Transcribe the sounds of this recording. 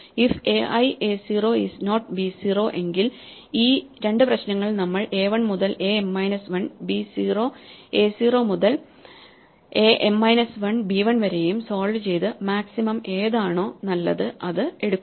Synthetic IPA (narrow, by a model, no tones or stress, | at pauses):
ifeʔɐjesiːro̞ːisno̞ːʈbiːsiːro̞ːʔe̞ŋɡil | iːɾe̞ɳɖɨprɐɕnɐŋːɐɭnɐmːɐɭe̞ːʋɐɳmuðɐle̞ːemːɐjnɐsʋɐɳbisiːro̞ːe̞ːsiːro̞ːmuðɐl | eːʔemːɐjnɐsʋɐɳbiːʋɐɳʋɐɾe̞jumso̞ːɭɖɨt͡ɕe̞jt̪ɨmaːksimɐme̞ːðaːɳo̞ːnɐlːɐðɨʔɐðɨe̞ɽukːuː